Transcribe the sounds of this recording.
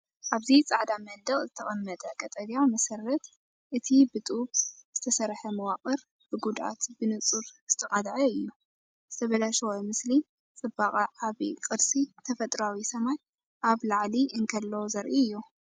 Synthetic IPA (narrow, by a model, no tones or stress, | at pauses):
ʔaβzit͡sʼaʕd̪amɐnd̪ɐχʼzɨt̪ʰɐχʼɐmːɐt̪ʼɐkʼɐt̪ʼɐɾjamɐsɐɾːɐt̪ | ʔɨt̪ʰibɨt̪ʼubzɨt̪ʰɐsɐɾħɐmɐwaχʼɨɾ | b̥ɨɡud̪ʔa̰t̪bɨnɨt͡sʼuɾz̥ɨt̪ʰɐqʼad̪ʕɐɨjːu | zɨt̪ʰɐβɐlaʃwomɨsli | t͡sʼɨbaqʼɐʕaβikʼɨɾsit̪ʰɐfɐt̪ʼɾawisɐmaj | ʔaβlaʕliʔɨŋkʰɐlːɐwzɐɾʔiɨjːu